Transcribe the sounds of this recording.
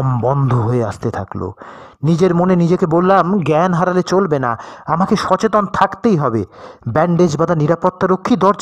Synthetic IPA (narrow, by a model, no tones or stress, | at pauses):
mbɔnd̪ʱoɦoeast̪et̪ʰaklo̰nid͡ʑeɾmonenid͡ʑekebolːamɡɛnɦaɾalet͡ɕolbena̰amakeʃɔt͡ɕet̪ont̪ʰakt̪ejɦɔbebɛɳɖed͡ʑbad̪aniɾapot̪ːaɾokʰːid̪ɔɾd͡ʑ